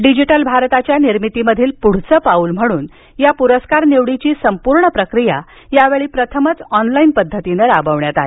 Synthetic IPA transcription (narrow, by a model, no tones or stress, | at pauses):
ɖid͡ʑiʈəlbʱaɾt̪at͡ɕjaniɾmit̪iməd̪ʱiːlpuɽ̤t͡səːpauːlm̤əɽ̃uːn | japuɾəskaɾneʋɽit͡ɕiːsəmpuɾɳəpɾəkɾija | jaʋeɭiːpɾət̪ʰəmət͡sɔnlainpəd̪ʱːət̪inəɾabəʋɳjat̪ae